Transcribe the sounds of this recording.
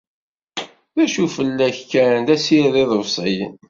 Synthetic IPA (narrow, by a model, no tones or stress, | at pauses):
ðæʃufəlːæçkːæɾnd̪æsiðiðˤəvsˤijə̰n